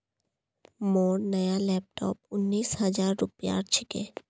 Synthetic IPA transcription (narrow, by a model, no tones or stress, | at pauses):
mɔːɾnɐjalɛːp̚ʈɔ̰ːp̚ʊnːiːshɐd͡ʒaːɾːʊpja̰ːɾt͡ʃʰɪkḛː